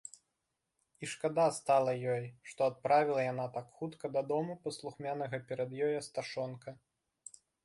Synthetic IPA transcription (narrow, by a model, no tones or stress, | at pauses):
iʂkad̪ast̪alˠɐjɔjʂt̪ɔat̪̚pɾavʲilˠɐjan̪at̪akxut̪kɐd̪ad̪ɔmupɐslˠuxmʲanɐɣɐpʲɛɾɐd̪jɔjɐst̪aʂɔnkɐ